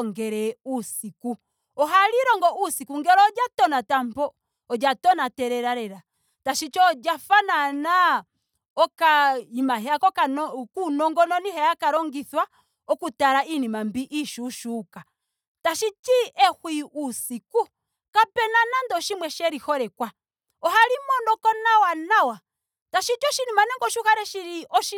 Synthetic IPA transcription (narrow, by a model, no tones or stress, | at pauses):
ŋɡɛɾɛusiku | ɔɦaliɾɔŋɡɔʔusikuŋɡɛɾɔːd͡ʒatɔnatambɔ | ɔd͡ʒatɔnatɛɾɛɾaɾɛɾa | taʃit͡ʃɔd͡ʒafanana | ɔkaimaɦɛakɔkankunɔŋɡɔnɔniɦɛjakaɾɔŋɡiθwa | ɔkutaɾainimambiʔiʃuʃuka | taʃit͡ʃiʔɛhwiʔusiku | kapɛnanandɔʃimwɛʃɛɾihɔɾɛkwa | ɔhaɾimɔndɔkɔnawanawa | taʃit͡ʃɔʃinimanɛŋɡɔʃuhaɾɛʃiɾiɔʃi